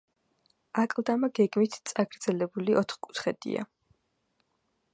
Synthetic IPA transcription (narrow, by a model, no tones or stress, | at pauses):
akʼlˠd̪amaɡɛɡmit̪ʰt̪sʼaɡɾd̪zɛlɛbuliʔɔt̪ʰχkʼu̥t̪χɛd̪̥ḭa̰